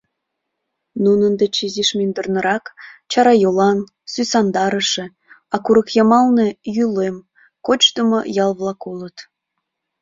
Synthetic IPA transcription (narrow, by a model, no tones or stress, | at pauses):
nunənd̪et͡ɕiziʃmend̪ərnə̆ɾɑkt͡ɕɑɾɑjolɑn | sysɑnd̪ɑɾəʃĕ | ɑkuɾəkjɑmɑlnejylem | kot͡ɕt̪əmojɑlβlˠɑkulət̪